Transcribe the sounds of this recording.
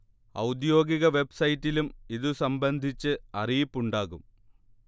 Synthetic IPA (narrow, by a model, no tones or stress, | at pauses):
ɐ̰wd̪jo̞ːɡiɣɐʋe̞bsɐjitːilumiðusɐmbɐnd̪ʱit͡ɕːɨɐrijipːuɳɖaːɣum